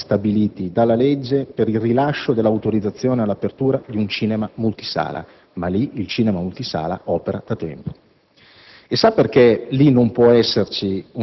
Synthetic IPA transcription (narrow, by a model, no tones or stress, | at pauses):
st̪abiliːt̪id̪alːaled͡ʒːepeɾilrilaʃːod̪elːawt̪oɾid̪zːat̪sːjoːnealːapert̪uːɾad̪iunt͡ʃiːnemamult̪i̥sa̰ːlʔa̰ | maliilt͡ʃiːnemamult̪isa̰ːla̰ʔɔːpeɾa̰d̪̥at̪ɛ̰mpo̥ | esaperkelinompwɔɛsːert͡ʃiu